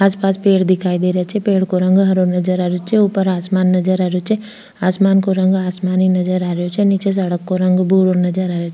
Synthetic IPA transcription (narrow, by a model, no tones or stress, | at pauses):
aːspaːspeːɽd̪ɪkʰaːid̪eːɾejat͡ʃʰɛpeːɽkoɾɐ̃ŋɡɦɐɾoɾnɐd͡ʒəɾaːɾjot͡ʃʰeupəɾaːsmaːnːɐd͡ʒəɾaːɾjot͡ʃʰɛ | aːsmaːnkoɾə̃ŋɡaːsmaːninɐd͡ʒəɾaːɾjot͡ʃʰɛniːt͡ʃes̬ɐɽəkːoɾɐ̃ŋɡbʱuːɾoɾnɐd͡ʒəɾaːɾejot͡ʃʰ